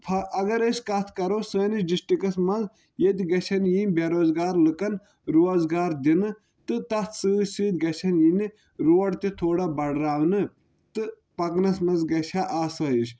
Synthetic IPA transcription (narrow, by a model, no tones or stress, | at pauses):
pʰɐɐɡɐɾesʲkɐt̪ʰkɐɾoːsəːnisɖisʈikɐsmɐnz | jet̪iɡɐt͡ʃʲʰɐnjinʲbeɾoːzɡaːɾlɨkɐn | ɾoːzɡaːɾd̪inɨ | t̪ɨt̪ɐt̪ʰsɨsɨːt̪ʲɡɐt͡ʃʲʰɐnjini | ɾoːʈt̪it̪ʰoːɽabɐɽɾaːʋnɨ | t̪ɨ | pɐknɐsmɐnzɡɐt͡ʃʲʰaːʔaːsɐːiʃʲ